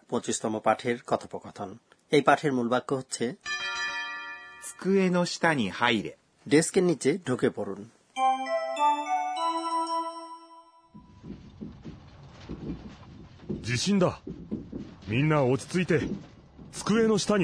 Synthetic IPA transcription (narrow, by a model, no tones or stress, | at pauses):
põt͡ɕist̪ɔmopaʈʰeɾkɔt̪ʰopokɔt̪ʰon | ejpaʈʰeɾmulbakːoɦotːɕʰe | t͡sɨ̥kɯenoɕi̥t̪aɲihaiɾḛ | ɖeskenːit͡ɕːeɖʱukepoɾun | d͡ʑiɕĩnd̪a | mʲĩnːaot͡ɕi̥t͡sɨit̪e̞ | t͡sɨ̥kɯenoɕi̥t̪aɲ